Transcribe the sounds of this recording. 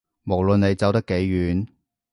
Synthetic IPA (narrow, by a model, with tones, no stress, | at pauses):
mo˨˩wlɵ˨ne˨˧jt͡sɐ˨˥wt̪ɐ˥kːe˨˥jɥyː˨˥n